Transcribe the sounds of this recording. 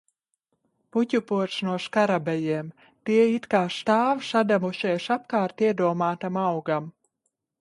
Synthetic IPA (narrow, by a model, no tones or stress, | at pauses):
pucʲupuɔtʃnuɔʃkaɾabɛjiɛm | t̪iɛit̪kaːʃt̪aːvʃad̪amuʃɛjʃap̚kaːɾt̪iɛd̪uɔmaːt̪amawɡam